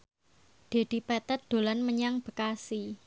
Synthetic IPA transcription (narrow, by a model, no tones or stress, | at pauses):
d̪̥e̤d̪̥i̤pɛt̪ɛt̪̚d̪̥o̤lanməɲaŋb̥ə̤kasi